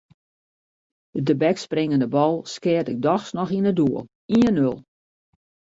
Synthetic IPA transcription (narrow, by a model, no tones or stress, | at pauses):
dədəbɛksprɪŋəndəbɔlˠskɪətɪk̚dɔxsnɔxinəduəlˠ | iənølˠ